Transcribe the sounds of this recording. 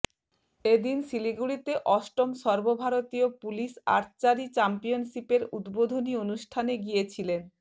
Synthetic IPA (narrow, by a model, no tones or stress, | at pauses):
ed̪insiliɡuɽit̪eʔɔʃʈomʃɔɾbobʱaɾot̪iopuliʃa̰ɾt͡ɕaɾit͡ɕampijonʃipeɾud̪bod̪ʱonionuʃʈʰaneɡijet͡ɕʰilen